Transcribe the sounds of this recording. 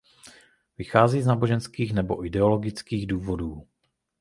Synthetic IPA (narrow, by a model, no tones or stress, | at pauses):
vɪxaːziːznaːbo̞ʒɛnskiːxnɛbo̞ʔɪdɛo̞lo̞ɡɪt͡skiːɣduːvo̞duː